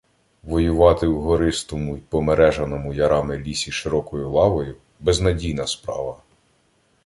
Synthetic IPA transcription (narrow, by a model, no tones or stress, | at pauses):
ʋɔjʊʋɑt̪ɪwɦɔɾɪst̪ɔmʊipɔmeɾɛʒɐnɔmʊjɐɾɑmɪlʲisʲiʃɪɾɔkɔjʊlˠɑʋɔjʊ | bɛznɐdʲijnɐspɾɑ̰ʋɐ